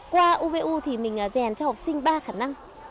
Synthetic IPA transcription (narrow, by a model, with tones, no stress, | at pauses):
kwaː˧ʔu˧ve˧ʔu˧t̪ʰi˨˩mï˨˩ŋ̟ʔəː˨˦zɛ˧˩nt͡ɕɔ˧hɔ˨˩k͡p̚sï˧ŋ̟ɓaː˧xaː˧˩na˧ŋ